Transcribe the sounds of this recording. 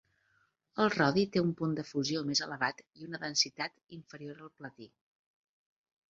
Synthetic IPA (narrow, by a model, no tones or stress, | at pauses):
əlˠrɔðit̪eumpund̪əfuziomezələβ̞at̪iunəðənsit̪at̪iɱfəɾioɾəlˠplət̪i